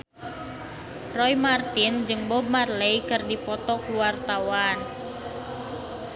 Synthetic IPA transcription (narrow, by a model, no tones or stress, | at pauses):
rɔjmart̪ind͡ʒɨŋbɔb̚marlejkɨrdipɔt̪ɔkuwart̪awan